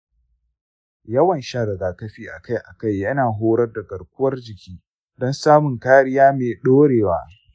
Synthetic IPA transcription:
jɐ˦wɐ˨nʃaː˦ɾɐ˨ɡaː˨kɐ˦ɸiː˦ʔa̰˨ka˦jʔa˨ka˦˨jjɐ˦naː˨ɦoː˦ɽɐ˦rdɐ˨kɐ˨rkʷʊ˦wɐ˦rd͡ʒɪ˨kʲiː˦ | dɔ˦nsaː˦mʊ˨ŋkaː˦ɽɪ˦jaː˦meː˨ɗoː˦ɽeː˨waː˦

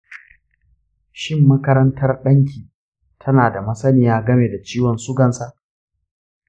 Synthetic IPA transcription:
ʃɪ˦mːɐ˦kɐ˦ɾɐ˦ntʰɐ˦rɗɐ˦ŋkʰʲiː˨ | tʰɐ˦naː˨da˨mɐ˦sɐ˦nɪ˨jaː˦ɡɐ˦meː˨da˨t͡ʃiː˦wɔ˨nsʊ˦ɡɐ˨nsa˦˨ʔ

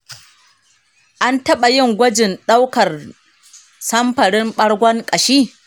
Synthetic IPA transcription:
ʔa˦ntɐ˦ɓa˨jɪ˦˨ŋɡʷɐ˦d͡ʒɪ˨nɗa˦wkɐ˨r | sɐ˦mɸɐ˨ɽɪ˦mɓɐ˦ɽɡʷɐ˦ŋkʼɐ˨ʃiː˦

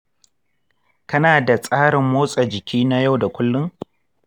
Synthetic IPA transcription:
kɐ˦naː˨da˨sʼaː˦ɽɪ˨mːoː˦sʼa˨d͡ʒɪ˨kʲiː˦na˦ja˦˨wda˨kʷʊ˦lːʊ˦ŋ

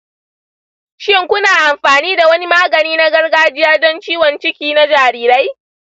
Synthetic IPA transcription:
ʃɪ˦ŋkʷʊ˦naː˨ʔa˨mɸaː˨niː˦da˨wɐ˦ni˦maː˦ɡɐ˨niː˦na˦ɡɐ˦rɡaː˦d͡ʒɪ˦jaː˦dɔ˦nt͡ʃiː˦wɔ˨nt͡ʃɪ˦kʲiː˦na˦d͡ʒaː˨ɾiː˦ɾa˦j

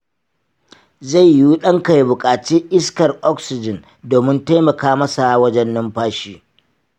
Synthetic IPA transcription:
za˦˨jjuː˦ɗɐ˦ŋka˨jbʊ˨kʼaː˨t͡ʃiː˦ʔɪ˦skɐ˨rʔɔ˦ksɪ˨d͡ʒɪ˨n | doː˨mɪ˦nta˦jmɐ˨kaː˦mɐ˦sa˨wɐ˦d͡ʒɛ˦nːʊ˦mɸaː˦ʃiː˦

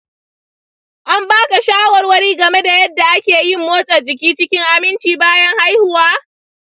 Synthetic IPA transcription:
ʔa˦mbaː˦ka˨ʃaː˦wɔ˨rwɐ˦ɽiː˦ɡɐ˨me˦da˨jɐ˦dːa˨ʔa˦kʲeː˨jɪ˦mːoː˦sʼɐ˨rd͡ʒɪ˨kʲiː˦t͡ʃɪ˦kʲɪ˦ŋʔa˨mɪ˦nt͡ʃiː˨baː˦jɐ˦ŋha˦jhʊ˨waː˦

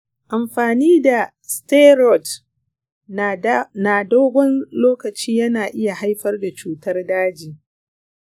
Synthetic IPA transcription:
ʔa˨mɸaː˨niː˦da˨ | ste˦ɾɔ˨t | naː˨doː˦ɡʷɔ˦nloː˦kɐ˨t͡ʃiː˦jɐ˦naː˨ʔɪ˦ja˨ha˦jɸɐ˦rda˨t͡ʃuː˦tɐ˦rdaː˦d͡ʒiː˨

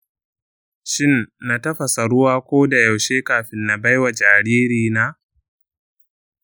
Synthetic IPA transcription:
ʃɪ˦nːa˨tɐ˦ɸa˨sa˨ɽʊ˦waː˦kʷoː˦da˨ja˨wʃeː˦kaː˨ɸɪ˦nːa˨ba˦jwa˨d͡ʒaː˨ɽiː˦ɾiː˨naː˦

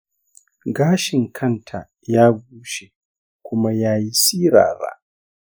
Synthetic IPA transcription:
ɡaː˦ʃɪ˨ŋkʰɐ˦ntʰa̰˨ | jaː˦ɡ̚ʷuː˦ʃe˨ | kʷʊ˦ma˦jaː˦ji˦siː˦ɾa̰ː˨ba̰˦ʔ

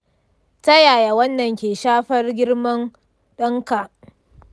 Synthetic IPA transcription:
tɐ˦jaː˨ja˨wɐ˦nːɐ˨ŋkʲeː˨ʃaː˦ɸɐ˦rɡʲɪ˦ɽmɐ˦n | ɗɐ˦ŋka˨ʔ

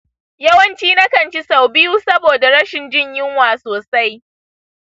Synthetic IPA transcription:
jɐ˦wɐ˦nt͡ʃiː˦na˦kɐ˨nt͡ʃi˦sa˨wbɪ˦juː˦sɐ˦boː˨da˨ɽɐ˦ʃɪ˨nd͡ʒɪ˦˨ɲjɪ˦ŋwaː˨soː˨sa˦j

